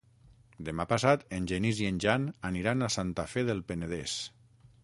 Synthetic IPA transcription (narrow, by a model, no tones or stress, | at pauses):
d̪emapasat̪enʲʒenizienʲʒananiɾanasant̪afeðelˠpeneð̞es